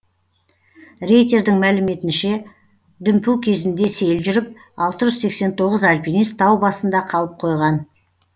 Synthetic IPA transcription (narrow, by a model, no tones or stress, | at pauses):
re̞jt̪e̞ɾd̪ɪŋmælɪme̞t̪ɪnʃe̞ | d̪ʏmpuwkʲʰe̞zɪnd̪e̞se̞jlʒʏɾɪp̚ | ɑlˠt̪əʒʏzse̞kse̞nt̪ʰo̞ʁəzɑlʲpinist̪ʰːɑwbɑsənd̪ɑqʰɑlˠəp̚qʰo̞jʁɑn